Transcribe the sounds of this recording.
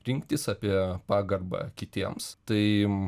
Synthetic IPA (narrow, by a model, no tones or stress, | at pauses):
ɾʲɪŋkt̪ʲɪsɑːpʲiɛpɑːɡɐrbɑ̰ːkʲɪt̪ʲiɛmst̪ɐɪ